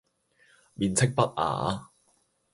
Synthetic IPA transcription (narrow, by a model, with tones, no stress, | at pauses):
miː˨nt͡sʰɪ˥k̚pɐ˥t̚a̰ː˨